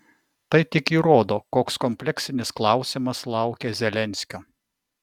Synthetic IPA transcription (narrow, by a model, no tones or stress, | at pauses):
t̪ɐɪt̪ʲɪkiːɾoːd̪oːkoːkskɔmʲpʲlʲɛksʲɪnʲɪsklˠɐˑʊsʲɪmɐslˠɐˑʊkʲezʲɛlʲɛnʲsʲkʲoː